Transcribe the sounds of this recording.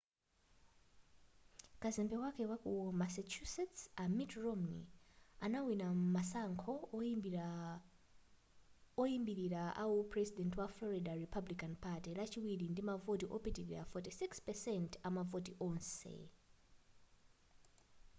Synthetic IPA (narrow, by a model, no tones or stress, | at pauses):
kazɛmbɛwakɛwakumasat͡ʃʰusɛtsamitrɔmnḭanawinamasaŋkʰɔ | ɔimbiɾiɾaʔa̰wupʰrɛsidɛntwaflɔɾidaripʰablikanpʰatilat͡ʃʰiwiɾindimavotiʔopitiɾiɾafɔtisikspɛsɛntamavotiʔɔnsḛ